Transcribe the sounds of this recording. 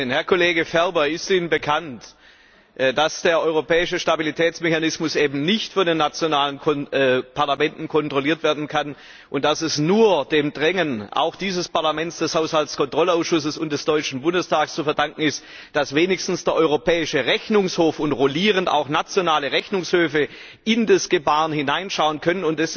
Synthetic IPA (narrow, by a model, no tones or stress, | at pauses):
nhɛɐkʰoleːɡəfɛʁbɐɪstiːnənbəkʰant | ʔd̥asd̥eːɐʔɔʏʁopʰɛːɪʃəʃtabilitʰɛːt͡smeçanɪsmʊsʔeːbm̩nɪçtfɔndeːnːat͡sjonaːlənɔpʰaɐlamɛntn̩kʰɔntʁ̥oliːɐtv̥eːɐdn̩kʰan | ʔʊnt̚d̥asɛsnuːɐd̥eːmdʁɛŋənʔa̰ʊxd̥iːzəspaɐlamɛnt͡sd̥ɛshaʊshaltskɔntʁ̥ɔlaʊsʃʊsəsʊntd̥ɛsd̥ɔʏt͡ʃn̩bʊndəstʰaːkst͡sufɛɐdaŋkŋ̩ɪst | d̥asv̥eːnɪçstn̩sd̥eːɐʔɔʏʁopɛːɪʃəʁɛçnʊŋshoːfʊntʁoliːʁənta̰ʊxnat͡sjonaːləʁɛçnʊŋshøːfə | ɪndasɡ̥əbaːʁənhɪnaɪnʃaʊənkʰœnənʊntdɛs